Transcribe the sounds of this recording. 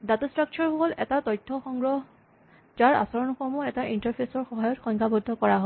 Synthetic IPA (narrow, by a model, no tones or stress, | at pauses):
datɔstɹak̚t͡ʃʰɔɹxoɦɔlɛtatɔjtʰːɔxɔŋɡɹɔɦ | d͡ʒaɹa̰sɔɹɔnɔxɔɹmɔɛtaʔintaɹpʰesɔɹxɔɦajɔtxɔŋkʰabɔdʱːɔkɔɹaɦɔ